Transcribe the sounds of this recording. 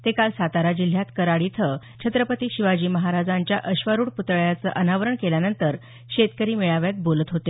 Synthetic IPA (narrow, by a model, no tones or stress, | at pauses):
t̪ekalsat̪aɾad͡ʑil̤ːjat̪kəɾaɽit̪ʰə | t͡ɕʰət̪ɾəpət̪iːɕiʋad͡ʑiːməɦaɾad͡zaɲt͡ɕjaʔəɕʋəɾuɽput̪ɭjat͡sə̰ːʔənaʋəɾəɳkeljanənt̪əɾ | ɕet̪kəɾiːmeɭaʋjat̪̚bolət̪ɦot̪e